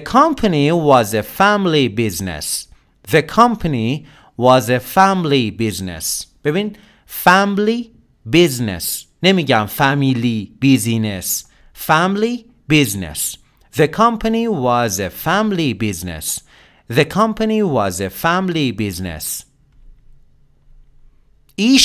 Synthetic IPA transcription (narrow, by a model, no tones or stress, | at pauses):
kʰɔ̃mpʰaniwɔzefæmlibiznḛs | ðəkʰʌ̃mpʰəni | wɔzefæmlibiznḛsb̥ebĩn | fæmli | biznḛsnemiɡæmfæmilib̥izines | fæmli | biznḛs | ðekʰʌ̃mpʰaniwɑzefæmlibiznḛs | ðekʰʌ̃mpʰaniwɑzefæmlibiznḛs | iː